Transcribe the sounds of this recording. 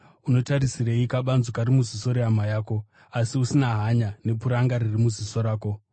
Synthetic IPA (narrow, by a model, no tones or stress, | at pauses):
uno̞taɾisireikaɓanzokaɾimuziso̞ɾeamajaːko̞ | asiusinaɦaɲane̞puɾaŋɡaɾirimuziso̞ɾaːko̞